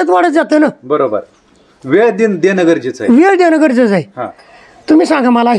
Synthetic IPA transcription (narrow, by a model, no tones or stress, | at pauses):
ət͡sʋaɽət͡s̪d͡zat̪ənabəɾobə̰ɾ | ʋeɭd̪ind̪enəɡəɾd͡ʑit͡sa̰jʋeɭd̪enəɡəɾd͡zəd͡zajiɦã̰ | t̪umiːsãŋɡamalaː